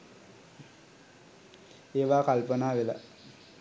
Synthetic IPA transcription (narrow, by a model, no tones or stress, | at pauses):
eːʋaːkalpənaːʋela̰